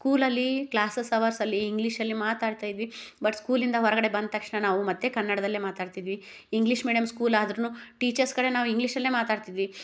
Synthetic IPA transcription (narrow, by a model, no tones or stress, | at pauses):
skuːlɐlːiklaːsesɐʋɐɾsɐlːiːŋɡliʂɐlːimaːt̪aːɖt̪aːjid̪ʋibɐʈskuːlind̪ɐɦɔɾɐɡɐɽe̞bɐnd̪̚t̪ɐkʂɳɐnaːʋumɐt̪ːe̞kɐnːɐɽɐd̪ɐlːeːmaːt̪aːɖt̪id̪ʋi | iŋɡliʂmeːɖijɐmskuːlaːd̪ɾɐnuːʈiːt͡ʃɐɾskɐɽe̞naːʋuiŋɡliʂɐlːeːmaːt̪aːɖt̪id̪ʋi